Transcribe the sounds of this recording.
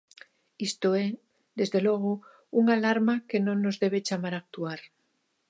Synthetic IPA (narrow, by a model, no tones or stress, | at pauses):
ist̪oe | ðe̞zðe̞lweɣ̞o | uŋalaɾmakenõnːozðe̞β̞e̞t͡ʃamaɾak̚t̪uaɾ